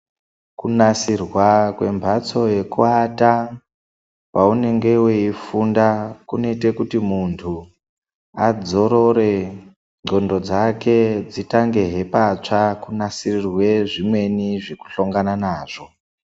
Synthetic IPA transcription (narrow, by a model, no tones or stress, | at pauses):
kunasirwakwe̞mbʱat͡so̞je̞kuata | paune̞ŋɡe̞weifundakune̞ite̞kutimuntʰu | ad͡zo̞ɾo̞ɾe̞ | ŋ͡ǀo̞ndo̞d͡zake̞d͡zitaŋɡe̞ɦe̞pat͡ʂakunasirirwe̞ʐimwe̞niʐeku̥ɬoŋɡananaːʐ̥o̞